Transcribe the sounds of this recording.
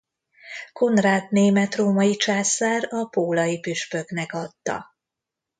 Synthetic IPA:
ko̞nraːt̪neːmɛt̪roːmɒjit͡ʃaːsaːɾɒpoːlɒjipyʃpø̞knɛkɒt̪ːɒ̰

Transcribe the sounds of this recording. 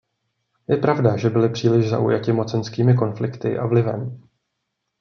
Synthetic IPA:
jɛpɾavdaʒɛbɪlɪpr̝̥iːlɪʒza̰ʔṵjacɪmo̞t͡sɛnskiːmɪko̞nflɪkt̪ɪ̰ʔavlɪvɛ̰m

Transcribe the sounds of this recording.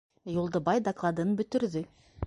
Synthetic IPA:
ʒulˠd̪əbɑjd̪aklˠɑd̪ənbɵt̪ɪɾd̪ɪ

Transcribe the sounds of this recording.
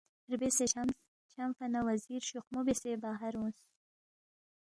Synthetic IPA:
ɾbeseam | t͡ʃamfanawaziɾʃuxmubesebaɦaɾõs

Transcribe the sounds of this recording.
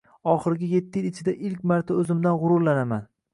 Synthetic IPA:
ɒχɨɾɡʲɪje̞t̪ʰːɪjɪlɪt͡ʃʰɪd̪aʔɪlkʲmaɾt̪ʰaɵzɪmd̪anʁʊɾʊɾlanaman

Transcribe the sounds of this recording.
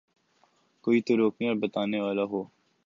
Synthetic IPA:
koːit̪oɾoːknijabɐt̪aːneʋaːlaɦoː

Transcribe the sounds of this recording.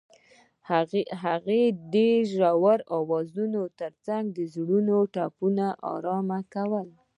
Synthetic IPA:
ɦaɣed̪eʒɾawaɾɑwɑzunot̪əɾt͡saŋɡ̚d̪əzɽunoʈɑpunaʔɑ̰ɾɑmakawəl

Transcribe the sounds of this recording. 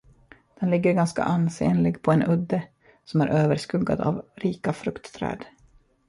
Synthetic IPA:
d̪̥ɛnlɪɡːəɾɡanska̰ʔanseːnlɪɡpʰɔɛnɵd̪ːə | sɔmæɾʔøːvəɾʂkɵɡːa̰d̪a̰vɾiːkafɾɵkt̪ːʰɾɛ̰ːd̪

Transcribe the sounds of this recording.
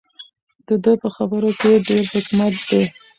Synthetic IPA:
d̪əd̪əpəxabəɾokeɖeɾhʊkumat̪̚d̪e

